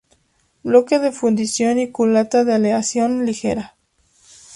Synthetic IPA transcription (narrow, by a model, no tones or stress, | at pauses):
blokeðe̞fund̪isjo̞nikulat̪aðealeasjo̞nlixḛɾa